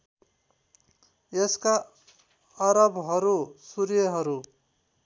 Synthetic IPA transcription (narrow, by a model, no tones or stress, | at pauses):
jeska | ʌɾʌbɦʌɾusuɾjʌɦʌɾu